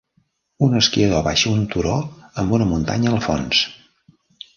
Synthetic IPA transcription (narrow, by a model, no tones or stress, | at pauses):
unəskiəðoβaʃəunt̪uɾoəmbunəmunt̪a̰ɲəlˠfons